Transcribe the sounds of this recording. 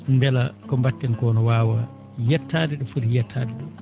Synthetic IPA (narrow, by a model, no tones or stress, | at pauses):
mbɛlakɔmbatːɛnkɔːnɔwaːwa | jɛtːaːdɛɗɔfuɾjɛtʰːaːdɛɗu